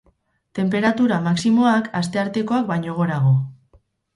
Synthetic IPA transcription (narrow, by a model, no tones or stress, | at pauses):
t̪e̞mpe̞ɾat̪uɾamaksimo̞akast̪e̞aɾt̪e̞ko̞ak̚bajɲo̞ɣ̞o̞ɾaɣo̞